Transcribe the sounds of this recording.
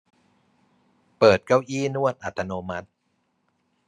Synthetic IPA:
pɤː˨˩t̪̚ka˥˩wʔiː˥˩˨nu˥˩ət̪̚ʔa˨˩t̪ʰːa˧noː˧ma˦˥t̪̚

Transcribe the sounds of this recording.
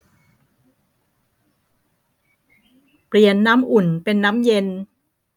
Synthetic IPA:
pli˨˩ənːaː˦˥mʔu˨˩npe˧nːaː˦˥mje˧n

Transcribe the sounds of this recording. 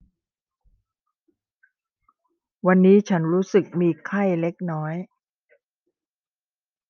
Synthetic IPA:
wa˧nːiː˦˥t͡ɕʰa˦˥nɾuː˦˥sɯ˨˩k̚miː˧kʰa˥˩jle˦˥k̚nɔː˦˥j

